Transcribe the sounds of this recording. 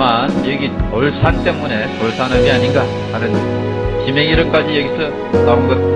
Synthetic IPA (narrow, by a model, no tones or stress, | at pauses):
manjeɡiʌɭsʰant͈e̞mune̞ | ʌɭsʰanamiaɲinɡa | hanɯn | t͡ɕimeŋiɾʌk͈ad͡ʑijeɡisʰʌ | naunɡʌt̚